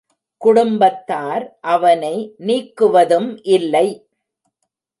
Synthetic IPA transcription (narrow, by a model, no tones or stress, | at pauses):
kʊɽʊmbɐt̪ːaːɾʔɐʋɐnɐɪniːkːɯʋɐðɯmʔɪlːɐɪ